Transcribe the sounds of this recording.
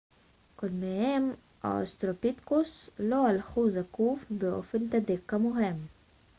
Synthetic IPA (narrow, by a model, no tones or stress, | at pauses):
kolmehem | ʔa̰o̰st̪ɾopit̪kosloalxuzakuːfbeʔo̰fent̪ad̪iqːamoɦem